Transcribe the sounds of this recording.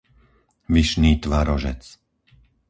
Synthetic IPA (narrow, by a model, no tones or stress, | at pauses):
ʋiʃniːt̪ʋaɾɔʒɛ̰t͡s